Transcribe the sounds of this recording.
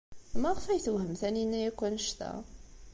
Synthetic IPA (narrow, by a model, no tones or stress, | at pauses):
mæʁfæjθəwhəmθæninːæjækʷːænəʃt̪æ̰